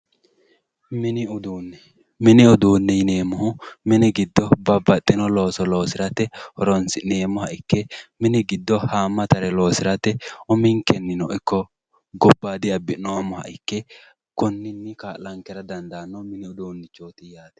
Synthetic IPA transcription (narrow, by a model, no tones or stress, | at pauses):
mɪnɪʊd̪uːnːɛ | mɪnɪʊd̪uːnːɛjɪne̞ːmʊhʊmɪnɪɡɪd̪ːɔbɐbːɐt̪ʼːɪnɔlo̞ːsɔlo̞ːsɪɾɐt̪ɛhɔɾɔnsɪne̞ːmʊhɐʔɪkːɛmɪnɪɡɪd̪ːɔhaːmːɐt̪ɐɾɛlo̞ːsɪɾɐt̪ɛʊmɪŋkɛnːɪnɔʔɪkːɔ | ɡɔbːaːd̪ɪɐbːɪnːɔwɐmːɔhɐ̰ʔɪkːɛ | kɔnːɪnːɪkaːlɐŋkɛɾɐd̪ɐnd̪aːnːɔmɪnɪʊd̪uːnːɪt͡ʃːoːt̪ɪjaːt̪ɛ̥